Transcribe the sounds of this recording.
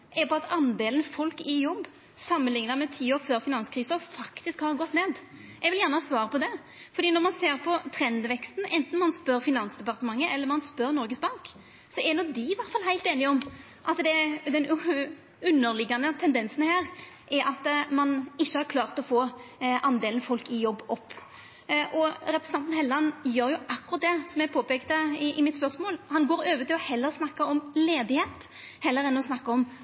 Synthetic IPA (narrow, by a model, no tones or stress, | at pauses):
ʔɛbɑːɑt̪ɑnd̪eːlənfɔlkɪjɔbː | sɑmːənlɪŋnəmɛt̪ʰiːoːføːɾfɪnɑnskʰɾiːsɔfɑkt̪ɪskhɑːʁɡɔt̪ːneːd̪ | ʔɛɡʋɪljæːʁnəhɑːsʋɑːɾəpɔd̪ɛ | fɔɾd̪iːnɔʁmɑnseːɾpʰɔt̪ʰɾɛnd̪ʋɛkst̪n̩ʔɛnt̪n̩mɑnspœɾfɪnɑnsd̪ɛpɑʁt̪əmɑŋːəʔɛlːəɾmɑnspœɾnɔɾɡəsbɑŋk | sɔɛnɔd̪ɪʋæɾt̪fɑlhæɪlt̪eːnɪɔm | ʔɑt̪d̪ɛd̪ɛn | ʉnːəɾlɪɡɑnət̪ʰɛnd̪ɛnsənhæːɾ | ʔɛɾʔɑt̪mɑnɪçːəhɑɾkʰlɑːʁt̪ɔfoːʔɑnd̪eːlən̩fɔlkɪjɔbːɔpː | ʔɔɾɛpɾɛsnʰɑnt̪nhɛlːɑnjøːɾjʊʔɑkːʉʁɑt̪̚d̪ɛsɔmæɪpʰoːpeːkt̪əɪʔɪmɪt̪spœɾsmoːlhɑnɡoːɾøːʋət̪ɪlɔhɛlːəɾsnɑkːɑɔmleːd̪ɪheːt̪ | hɛlːəɾɛnɔsnɑkːɑɔm